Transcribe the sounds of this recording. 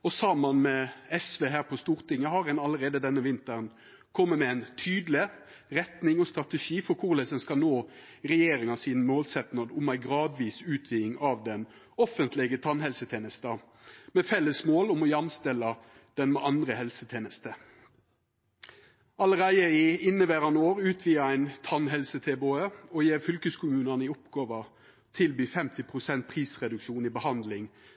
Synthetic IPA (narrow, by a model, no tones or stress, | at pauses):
ɔsɑmənmɛɛsʋeːɦæːʁpʰɔst̪uːʁt̪ɪŋːəɦɑɾɛnɑləɾeːd̪əd̪ɛnːəʋɪnt̪əʁn | kʰɔmːəmɛæɪnt̪ʰyːd̪lɪ | ɾɛt̪nɪŋɔst̪ɾɑt̪əʂiːfɔɾkʰʊʁlɛsɛnskɑlnoːʁɛjeːɾɪŋɑsiːnmoːlsɛt̪nɑd̪ʊmæɪɡʁɑːd̪ʋiːsʉːt̪ʰʋiːɪŋɑʋd̪ɛn | ɔfənt̪ʰlɪɡət̪ʰɑnɦɛlsət̪ʰeːnəst̪ə | mɛfɛlːəsmoːlɔmɔjɑmst̪ɛlɑ | d̪̥ɛnmɛʔɑnd̪ɾəhɛlsət̪ʰeːnəst̪ə | ɑləʁæɪəɪɪnːəʋeːɾɑnoːɾʉːt̪ʰʋiːəæɪnt̪ʰɑnɦɛlsət̪ʰeːboːəɔjeːfʏlkəskʰʊmʉːnɑnɪʊpɡ̥ɑːʋə | t̪ʰɪlbyːfɛmt̪ɪpʰʁʊsɛnt̪̚pʰʁiːsʁɛd̪ʉkʃuːnibəhɑnd̪lɪŋ